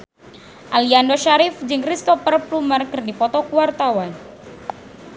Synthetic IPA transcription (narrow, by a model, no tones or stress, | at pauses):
ʔaliandɔʃaɾifd͡ʒɨŋkɾist̪ɔpərplumarkɨrdipɔt̪ɔkuwart̪awan